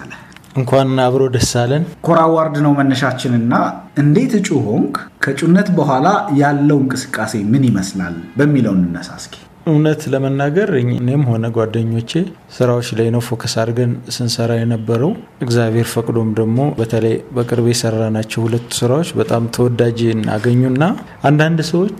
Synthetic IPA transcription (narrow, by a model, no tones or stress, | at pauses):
alə | ʔɨŋkʰʷanaβɾo̞d̪əsːalːənkʰoɾawaɾd̪ɨnəwmənːəʃat͡ʃːɪnɨnːaʔɨnd̪e̞t̪ʰɨt͡ʃʼuho̞ŋkkʰət͡ʃʼunːət̪bəɦʷalajalːəwŋkʼɨsɨ̥kʼːase̞mɨnjɪməsla̰lbəmːiləwnɨnːəsa̰skʰʼe̥ | ɨwnət̪ləmənːaɡəɾɨɲɨnemho̞nəɡwad̪ːəɲːo̞t͡ʃːe | sɨɾawot͡ʃːlajnəwfo̞kʰəsaɾɡənsɨnsəɾajɛnəbːəɾəw | ʔɨɡzaβhe̞ɾfəkʼd̪o̞md̪əɡmo̞bət̪ʰələjbəkʼɨɾbesəɾːanat͡ʃːɛwhulət̪ːu̥sɨɾawot͡ʃːbət̪ʼamt̪ʰəwɔd̪ad͡ʒɨnːa̰ɡəɲːunːa | ʔand̪and̪səwo̞t͡ʃː